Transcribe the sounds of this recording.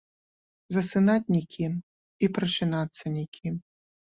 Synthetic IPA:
zɐsɨnat͡sʲnʲikʲim | ipɾɐʂɨnat̪sːɐnʲikʲʰi

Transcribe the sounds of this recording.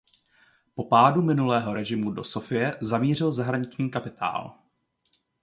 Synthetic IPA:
po̞paːdumɪnulɛːɦo̞ɾɛʒɪmudo̞so̞fɪjɛzamiːr̝ɪlzaɦɾaɲɪt͡ʃɲiːkapɪt̪ʰa̰ːl

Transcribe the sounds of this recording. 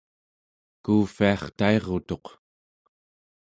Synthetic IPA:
kuːfiɑχt̪ae̞ʁo̞t̪o̞q

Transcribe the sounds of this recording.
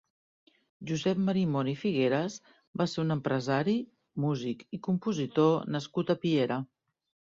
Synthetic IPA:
ʒuzɛp̚məɾimonifiɣeɾəz | baseɾunəmpɾəzaɾi | muzikikumpuzit̪onəskut̪əpieɾə

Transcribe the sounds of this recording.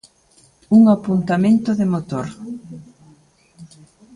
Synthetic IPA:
uŋapunt̪amẽnt̪ʊðɪmot̪oɾ

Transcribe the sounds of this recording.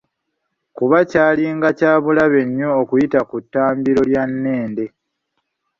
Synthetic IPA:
kuβacaːliŋɡacaːβulaβe̞ɲːoːkujitakutːaːmbiɾo̞ljanːe̞ːnde̞

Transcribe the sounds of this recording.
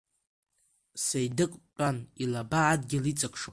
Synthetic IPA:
sejdɨqʼt͡pʼanilabaːdɡʲɪlit͡sʼakʰʂo

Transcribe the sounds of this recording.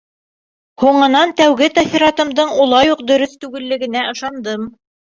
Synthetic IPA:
huɴɤ̆nɑnt̪æwɡɘt̪ɑθiɾɑt̪ɤ̆md̪ɤɴulˠɑjuq̚d̪ɵ̆ɾɵθt̪ʉɡɘ̆lːɘ̆ɡɘ̆næʔɤ̆ʃɑnd̪ɤm

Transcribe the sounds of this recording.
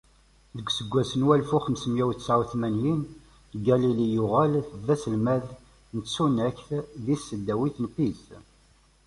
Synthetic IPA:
ðəɡʷsəɡʷːæsənwælfuχəmsəmjæwsʕwθmænjin | ɡælilijʊʁælðæsəlmæð | nəsunæçθðisːəd̪ːæwiθnpis

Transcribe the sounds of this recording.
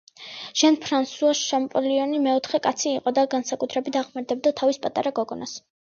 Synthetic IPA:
ʒ̥ɛnpʰɾansuaʃʃampʼɔliɔnimɛɔt̪ʰχɛkʼat̪sʰiːqʼɔd̪aɡansakʼut̪ʰɾɛbit̪aʁmaɾd̪ɛb̚d̪at̪ʰavispʼat̪ʼaɾaɡɔɡɔnas

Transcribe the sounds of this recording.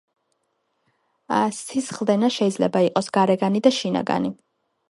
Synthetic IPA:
sisχlˠd̪ɛnaʃɛid̪zlɛ̰baiqʼɔsɡ̥aɾɛɡanid̪aʃina̰ɡa̰ni

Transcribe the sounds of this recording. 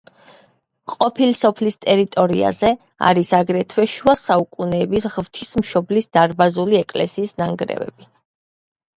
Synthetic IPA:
qʼɔpʰilisɔpʰlist̪ʼɛɾit̪ʼɔɾḭa̰zɛ | a̰ɾisaɡɾɛt̪ʰwɛʃuasaukʼunɛːbisʁvt̪ʰismʃɔblisd̪̥aɾbazuliɛkʼlɛ̰siːsnaŋɡɾɛ̰vɛ̰b̥i

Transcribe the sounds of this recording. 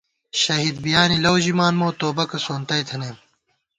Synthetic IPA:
ɕɐɦiːd̪̚bijaːnilɐwʑimaːnmoːt̪oːbɐkɐsoːnt̪ɐjt̪ʰɐneːm

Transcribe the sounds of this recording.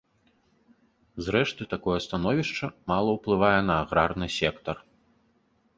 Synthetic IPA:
zɾɛʂt̪ɨt̪akɔjɛst̪anɔvʲiʂt͡ʂɐmalˠɐwplˠɨvajɛn̪ɐːɣɾarn̪ɨsʲɛkt̪ɐr

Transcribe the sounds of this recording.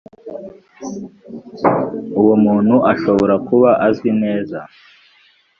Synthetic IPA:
uwomuːn̥huʔaʃo̞βo̞ɾakuβaʔazwine̞ːza

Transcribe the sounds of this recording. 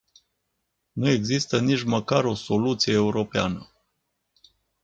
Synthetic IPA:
nue̞ɡzist̪ənit͡ʃməkaɾo̞so̞lut̪sijeːuɾo̞pea̰nə

